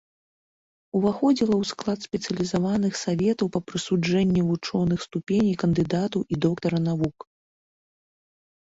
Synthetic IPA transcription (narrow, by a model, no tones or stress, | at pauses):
uvaxɔd͡zʲilˠɐwsklˠat̪sʲpʲɛt̪sɨɐlʲizavanɨxsavʲɛt̪ɐwpɐpɾɨsud͡ʐɛnʲːivut͡ʂɔnɨxst̪upʲenʲijkɐnd̪ɨd̪at̪ɐwʔid̪ɔkt̪ɐɾɐnavuk